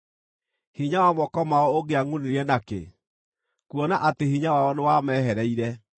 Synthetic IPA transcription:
hiɲawamɔkɔmaɔoɣeaŋuneɾɛnakḛ | kwɔnaʔatehiɲawaɔnewamɛːɦɛɾɛiɾɛ

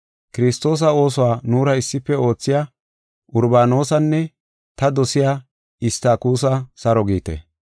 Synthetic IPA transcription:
kɪɾɪst̪o̞ːs̬ɐo̞ːs̬ɔwaːnuːɾɐɪsːɪpːɛo̞ːt͡sːɪja | ʊɾbaːno̞ːsɐnːɛ | t̪ɐd̪ɔsɪjaː | ɪst̪aːkuːs̬ɐsɐɾɔɡiːt̪ɛ̰

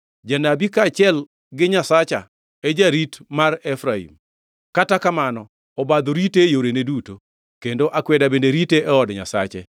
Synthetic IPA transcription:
d͡ʒanabikat͡ʃɪɛl | ɡɪɲasat͡ʃa̰ | ed͡ʒaɾitmarɛfɾaḭm | katakamanɔ | ɔbad̪oɾitejoɾeneduto | kendoʔakwɛdabendeɾiteʔɛɔdɲa̰sat͡ʃe

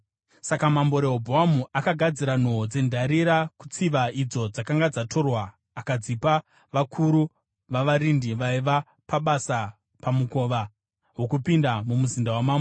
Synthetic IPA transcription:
sakamambo̞ɾeɦobʱoɦamuʔakaɡʱad͡ziɾan̤od͡ze̞ndʱaɾiɾaku̥t͡siʋaid͡zo̞d͡zakaŋɡad͡zatʰo̞rwaː | kad͡zipa | ʋakʰuɾu | ʋaʋaɾindiʋaiʋa | paɓasa | pamuko̞ʋa | wo̞kupindamumuzindawamaːmbo

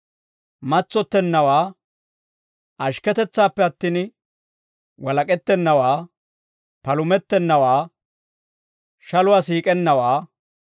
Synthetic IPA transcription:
mɐt͡sːɔt̪ːɛnːɐwaː | ʔɐʃkɛt̪ɛt͡sːaːpːɛɐt̪ːiːn | wɐlɐkʼɛt̪ːɛnːɐwaː | pɐlʊmɛt̪ːɛnːɐwaː | ʃɐlʊwaːsiːkʼɛnːɐwaː

